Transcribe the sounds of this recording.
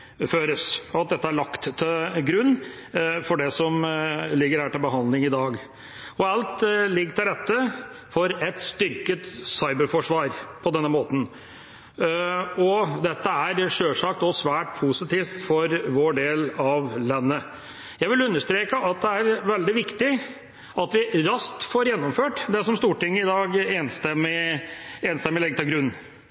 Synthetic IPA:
føːɾəsɔɑt̪̚d̪ɛt̪ːəæɭɑkt̪t̪ʰːɪlɡɾʉnː | fɔɖɛsɔmlɪɡːəɾhæːʈɪlbəɦɑnd̪lɪŋɪd̪ɑːɡ | ɔɑlt̪lɪɡːʈ̪ɪld̪ɛt̪ːə | fɔɾɛt̪st̪ʏɾkət̪sɑɪbəɾfɔʂʋɑːɾpʰɔd̪ɛnːəmoːt̪n̩ | ɔd̪ɛt̪ːəæɾʂøːʂɑk̚t̪ɔsʋæːʈpʰusɪt̪ʰiːft̪fɔɾʋoːɖeːlɑʋlɑnːə | jæɪʋɪlʉnːəʂt̪ɾeːkəʔɑt̪̚d̪ɛæɾʋɛld̪ɪʋɪkt̪ɪ | ɑt̪ʋɪɾɑst̪foːɾjɛnːɔmføːʈd̪ɛsɔmst̪uːʈɪŋːəɪd̪ɑːɡeːnst̪əmɪeːnəst̪ɛmɪlɛɡət̪ʰɪlɡɾʉnː

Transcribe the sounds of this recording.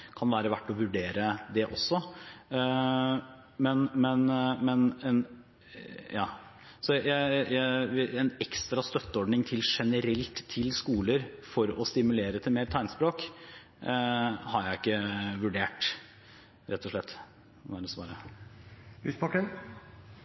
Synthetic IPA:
kʰɑnʋæːɾəʋæʈːɔʋʉɖeːɾəd̪ɛʔɔsːɔ | mɛnmɛnmɛnɛn | jɑː | sɔjæɪjæɪɛnɛkst̪ɾɑst̪œt̪ːəɔɖnɪŋt̪ʰɪlʂɛnəɾɛlt̪ʰːɪlskuːləɾfɔɾɔst̪ɪmʉleːɾət̪ʰɪlmeːɾt̪ʰæɪnspɾoːk | hɑɾjæɪɪkːəʋʉɖeːʈ | ɾɛt̪ːɔʂɭɛt̪ː | æɖ̪ɛsʋɑ̰ːɾə | lːspʰɑkːən

